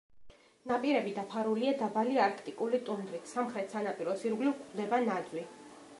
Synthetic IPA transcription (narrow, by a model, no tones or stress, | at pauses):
napʼiɾɛbid̪apʰaɾuliad̪abaliaɾkʰt̪ʼikʼulit̪ʼund̪ɾit̪ʰsamχɾɛt̪ʰsanapʼiɾɔsiɾɡlivkʰʼd̪ɛbanad̪wi